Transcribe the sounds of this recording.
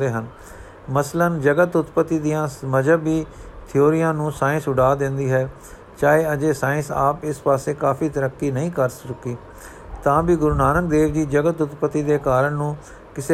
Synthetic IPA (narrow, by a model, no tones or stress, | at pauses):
d̪eːɦən | məslənd͡ʒəɡət̪ʊt̪pət̪ːiːd̪ijãːməd͡ʒəbiːt̪ʰɪoːɾijãːnũːsaːɪ̃sʊɖaːd̪ɪ̃nd̪iːɦɛː | t͡ʃaːeːəd͡ʒeːsaːɪ̃nsa̰ːpɪspaːseːkaːfiːt̪əɾəkːiːnəĩːkəɾst͡ʃʊkiː | t̪ãːbiːɡʊɾuːnaːnək̚d̪eːʋd͡ʒiːd͡ʒəɡət̪ʊt̪pət̪ːiːd̪eːkaːɾəɳnũː | kɪseː